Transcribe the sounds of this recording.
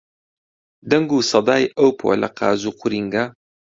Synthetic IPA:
d̪ɐŋɡuːsɑd̪aːjɐwpʰo̰lɐ̰qɑ̰ːzuːqʰʊɾiŋɡa

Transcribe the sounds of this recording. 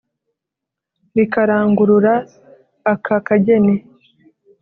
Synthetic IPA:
βikaɾaːŋɡuɾuɾaː | kʰakaɟe̞ne

